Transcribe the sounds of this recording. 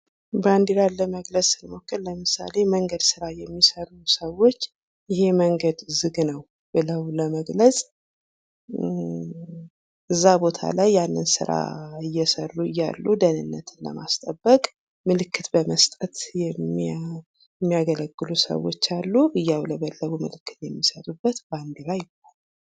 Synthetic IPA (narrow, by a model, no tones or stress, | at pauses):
band̪iɾalːəməɡləsʼɨləmo̞kːɨlləmɨsa̰le̞məŋɡəd̪sɨɾajɛmːisərusəwo̞t͡ʃː | jɪhe̞məŋɡəd̪zɨɡnəw | b̥ɨləwləməɡləsʼ | ɨzːabo̞t̪ʰa̰lajːalːənsɨ̰ɾa̰ɨjːɛsərːuɨjːa̰lːud̪ənɨnːət̪ʰɨnlə̰ma̰st̪ʼəbːəkʼ | mɨlɨkːɨt̪bəməst̪ʼət̪jɛ | ɛmːijaɡələɡːɨlusə̰wot͡ʃːalːuɨjːawləβəlːəβumɨlɨkːɨ̥t̪jɛmːisət̪ʼubːət̪band̪ilajɪbalː